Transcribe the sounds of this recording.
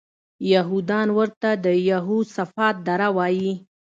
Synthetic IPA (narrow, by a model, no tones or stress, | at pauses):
jaɦud̪ɑnwəɾt̪ad̪əjaɦusafɑt̪̚d̪aɾawɑji